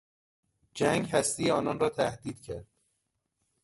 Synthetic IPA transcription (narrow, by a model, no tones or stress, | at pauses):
d͡ʒæŋɡɦæst̪iːjeɒːnɒːnrɒːt̪ʰæhd̪iːd̪̥cʰæɾd̪̥